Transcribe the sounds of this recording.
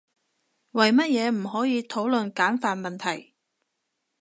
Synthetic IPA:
wɐ˨˩jmɐ˥t̚jɛː˨˧m̩˨˩ɦɔː˨˥jiː˨˧t̪ʰo˨˥wlɵ˨nkaː˨˥nfaː˨nmɐ˨nt̪ʰɐ˨˩j

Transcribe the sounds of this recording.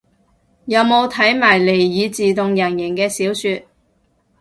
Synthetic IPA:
jɐ˨˧wmo˨˧wt̪ʰɐ˨˥jmaː˨˩jle˨˩jːiː˨˧t͡siː˨t̪ʊ˨˧ŋjɐ˨˩njɪ˨˩ŋkɛː˧siː˨˥wsyː˧t̚

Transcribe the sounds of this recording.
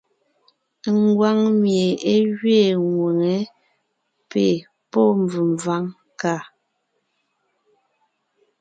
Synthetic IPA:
ŋ˦ɡwa˦ŋmje˨e˦ɣɥe˦˨ŋwe˨ŋɛ˨˦ | pḛ˨ | pɔ˦m˨b͡vʉ˨mva˦ŋ | ka˦˨

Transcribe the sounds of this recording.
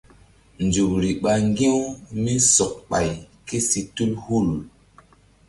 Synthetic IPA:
nd͡ʒu˨kɾi˨ɓa˨ŋɡĩ˦wmi˦sɔ˨k̚ɓa˨j | ke˦si˨tu˦lhu˦˨l

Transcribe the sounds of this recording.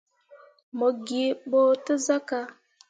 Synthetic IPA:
mo˨ɡi˨ɓo˦tə˦za˦ka˦

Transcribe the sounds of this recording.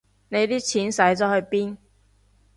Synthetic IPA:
ne˨˧jt̪iː˥t͡sʰiː˨˥nsɐ˨˥jt͡sɔː˨˥hɵ˨˧ɥpiː˥n

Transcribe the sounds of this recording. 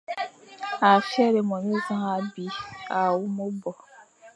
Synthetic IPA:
a˨fjɛ˦ɾe˨mɔ̃˨ni˦zã˦a˦bi˨˦a˨wu˦mo˦bɔ˨

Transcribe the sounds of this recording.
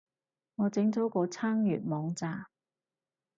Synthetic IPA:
ŋɔː˨˧t͡sɪ˨˥ŋt͡sɔ˨˥kɔː˧t͡sʰaː˥ŋjy̰ː˨t̚mɔː˨˧ŋt͡saː˧

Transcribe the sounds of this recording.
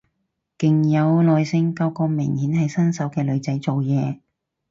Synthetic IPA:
kɪ˨ŋjɐ˨˧wlɔː˨˧jsɪ˧ŋka˧wkɔː˧mɪ˨˩ŋhiː˨˥nhɐ˨jsɐ˥nsɐ˨˥wkɛː˧lɵ˨˧ɥt͡sɐ˨˥jt͡so˨wjɛː˨˧

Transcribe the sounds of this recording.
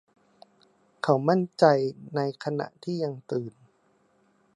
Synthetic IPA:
kʰa˨˦wma˥˩nt͡ɕa˧jna˧jkʰa˧na̰˨˩ʔt̪ʰiː˥˩ja˧ŋt̪ɯː˨˩n

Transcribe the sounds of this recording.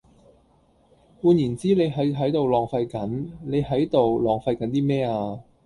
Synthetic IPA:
kuː˧njiː˨˩nt͡siː˥ne˨˧jɦɐ˨˥jɦɐ˨˥jt̪o˨wlɔː˨˩ŋfɐ˧jkɐ˨˥nle˨˧jɦɐ˨˥jt̪o˨wlɔː˨ŋfɐ˧jkɐ˨˥nt̪iː˥mɛː˥aː˧

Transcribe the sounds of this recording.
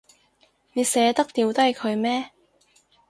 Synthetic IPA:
ne˨˧jsɛː˨˧t̪ɐ˥k̚t̪iː˨˧wt̪ɐ˥jkʰɵ˨˧ɥmɛː˥

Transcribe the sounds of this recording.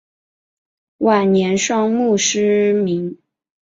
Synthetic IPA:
wa˨˩nnjɛ˧˥nʂwɑ˥ŋmu˥˩ʂɻ̩˥mi˧˥ŋ

